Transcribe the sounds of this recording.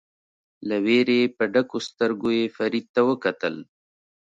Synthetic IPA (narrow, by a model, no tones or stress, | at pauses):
laweɾepəɖakost̪əɾɡojefaɾid̪̚t̪awəkat̪əl